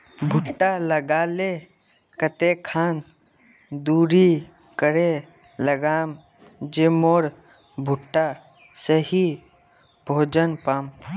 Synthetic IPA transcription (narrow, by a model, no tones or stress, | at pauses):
bʱʊʈːaləɡaːle | kət̪ekʰaːn | d̪uːɾi | kəɾe | ləɡaːm | d͡ʒeːmoːɾ | bʱʊʈːa | səɦi | bʱoːd͡ʒənpaːm